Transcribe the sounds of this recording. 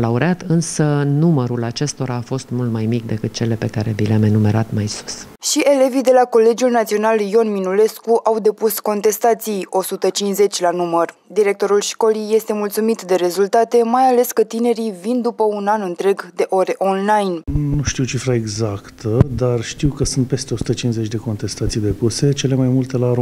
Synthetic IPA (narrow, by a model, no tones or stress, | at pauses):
lauɾeat̪ɨnsənuməɾulat͡ʃe̞st̪o̞ɾʔaːfo̞st̪mult̪majmik̚d̪e̞kɨt̪̚t͡ʃe̞le̞pe̞kaɾe̞bileame̞nume̞ɾat̪majsu̥s | ʃiʔe̞le̞vijd̪e̞lako̞le̞d͡ʒulnat̪sio̞naljo̞nminule̞skuʔawd̪e̞pusko̞nt̪e̞st̪at̪sijo̞sut̪ət͡ʃinze̞t͡ʃʲlanumərd̪iɾe̞k̚t̪o̞ɾulʃko̞lijːe̞st̪e̞mult̪sumit̪d̪e̞ɾe̞zult̪at̪e̞majale̞skət̪ine̞ɾivind̪upəunanɨnt̪ɾe̞ɡd̪e̞ʔo̞ɾe̞ʔo̞nlajnnnuʃt̪iwt͡ʃifɾaeɡzakt̪ʰəd̪arʃt̪iwkəsunt̪̚pe̞st̪eo̞su̥t̪ət͡ʃinzet͡ʃʲd̪eko̞nt̪e̞st̪at̪sijd̪e̞puse̞t͡ʃe̞le̞majmult̪e̞laɾo